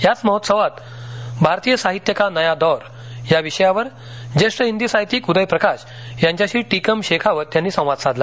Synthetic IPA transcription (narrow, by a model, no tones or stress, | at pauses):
ɦjat͡sməɦot̪səʋat̪ | bʱaɾt̪ijəsaɦit̪jəkanəjad̪ɔɾ | jaʋiɕəjaʋəɾ | d͡ʑeʂʈəind̪isaɦit̪iːkud̪əjpɾəkaɕ | jaɲt͡ɕjaɕiːʈikəmɕekʰaʋəɾt̪janːiːsə̃w̃ʋad̪sad̪la